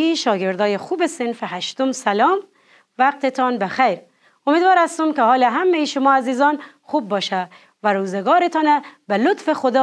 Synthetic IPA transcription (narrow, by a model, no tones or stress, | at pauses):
iʃɒːɡeɾd̪ɒːjexuːbesenfeɦæʃt̪omsælɒːm | væq̚t̪et̪ʰɒːnbexæjɾ | omed̪vɒːɾæst̪umkehɒːleɦæmːejeʃʊmɒːæziːzɒːn | xuːb̚ːɒːʃæ | væɾuːzeɡɒːɾet̪ʰɒːnæbelot̪fexod̪ɒː